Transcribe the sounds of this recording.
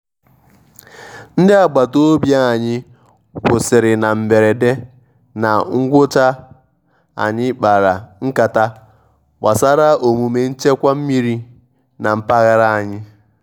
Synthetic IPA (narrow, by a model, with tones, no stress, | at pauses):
n̩˦dɪ˦a˨ɡ͡ba˨to˦o˦bja˦a˨ɲɪ˦ | kʊ˨sɪ˨ɾɪ˨na˨m̩˨be˨ɾe˨de˦ | na˨ŋ̩˦ɡʷʊ˦ta˦ | a̰˨ɲɪ˦k͡pa˨ɾa˨ŋ̩˦ka˨ta˦ | ɡ͡ba˨sa˦ɾa˦o˨mu˨me˨n̩˦t͡ʃe˦kʷa˦m̩˦mi˦ɾi˦ | na˨m̩˦pa˦ɣa˦ɾa˦a˨ɲɪ˦